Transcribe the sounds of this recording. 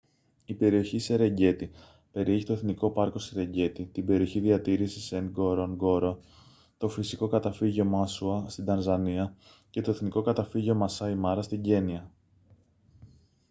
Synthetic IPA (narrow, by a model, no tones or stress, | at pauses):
ipe̞ɾio̞çiseɾe̞ɲɟe̞t̪i | pe̞ɾieçi̥t̪o̞e̞θniko̞pɐɾko̞seɾe̞ɲɟe̞t̪it̪ibe̞ɾio̞çiðiɐt̪iɾisiseŋɡoɾoŋɡo̞ɾo | t̪o̞fisiko̞kɐt̪ɐfiʝo̞mɐsuɐst̪id̪ɐnzɐniɐ | ce̞t̪o̞e̞θniko̞kɐt̪ɐfiʝo̞mɐsɐimɐɾɐst̪iɲɟe̞niɐ